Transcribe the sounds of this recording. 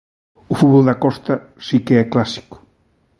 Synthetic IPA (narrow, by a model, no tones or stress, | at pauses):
ufuðβɔld̪akɔst̪ɐ | sikeɛklasi̥kʊ̥